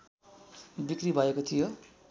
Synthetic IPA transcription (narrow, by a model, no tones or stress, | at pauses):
bikribʱʌekot̪ʰijo